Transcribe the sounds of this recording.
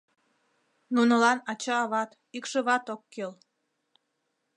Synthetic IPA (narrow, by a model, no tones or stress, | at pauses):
nunə̆lɑnɑt͡ɕɑːβɑt̪ | ikʃəβɑt̪okːel